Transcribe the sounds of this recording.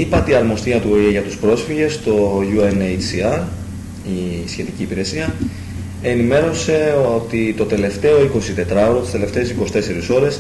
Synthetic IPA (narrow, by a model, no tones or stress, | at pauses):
ipɐt̪iɐɾmo̞st̪iɐt̪uoieʝɐt̪uspɾo̞sfiʝe̞st̪o̞ʝuenejiɐɾ | isçe̞t̪iciːpiɾe̞siɐ | e̞nime̞ɾo̞se̞ot̪it̪o̞t̪e̞le̞ft̪e̞o̞iko̞sit̪e̞t̪ɾɐoɾot̪i̥st̪ele̞ft̪e̞esikosi̥t̪e̞se̞ɾiso̞ɾe̞s